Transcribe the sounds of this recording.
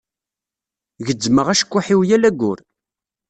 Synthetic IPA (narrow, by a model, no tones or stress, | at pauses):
ʝəd͡zːməʁæʃə̥kʷːʊħiwjælæɡʷːʊ̰ɾ